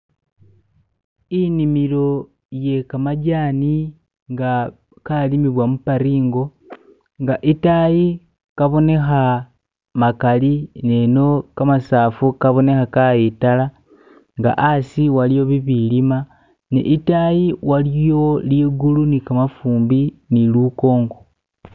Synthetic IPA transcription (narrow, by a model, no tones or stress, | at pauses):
inimilo̞ | je̞kamaɟaːni | ŋɡa | kalimiβwamupaɾiːŋɡo̞ | ŋɡaʔitaji | kaβo̞ne̞xa | makalineno̞kamasaːfukaβo̞ne̞xakaitala | ŋɡa̰ʔasiwalijo̞βiβilima | nḭʔitajiwalijo̞liːɡulunikamafuːmbiniluko̞ːŋɡo